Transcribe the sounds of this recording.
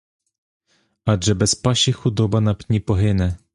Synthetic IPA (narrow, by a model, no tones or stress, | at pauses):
aʐɛbɛspaɕixud̪ɔbanapɲʲipɔɦɘnɛ